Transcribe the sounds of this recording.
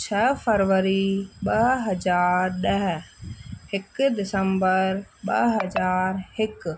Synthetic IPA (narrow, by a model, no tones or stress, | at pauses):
t͡ʃʰəpʰəɾʋəɾiɓɐɦɦɐd͡ʒaːɾɗəɦ | hɪkd̪ɪsəmbəɾɓɐ̰ɦɐd͡ʒaːɾhɪk